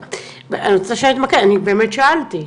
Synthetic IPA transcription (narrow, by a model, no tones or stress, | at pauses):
at̪saʃat̪makeanibeːmet̪ʃaʔalt̪i